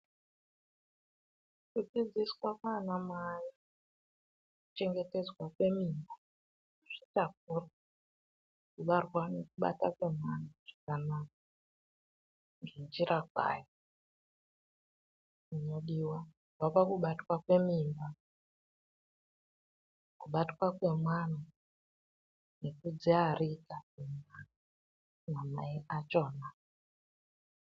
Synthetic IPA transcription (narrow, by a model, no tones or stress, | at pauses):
kud͡zid͡ziswakanamaja | kut͡ʃe̞ŋɡe̞te̞d͡zwakwe̞mimba | ʐ̥itak̚ura | kuɓarwane̞kuɓa̰takwemwanuʐ̥akanak̚a | ŋɡend͡ʒiɾak̚wa̰ːja | uɲoɗiwa | wapakuɓatwakwe̞mimba | kuɓatwakwe̞mwana | nekud͡ziaritakima | namaiʔat͡ʃoːna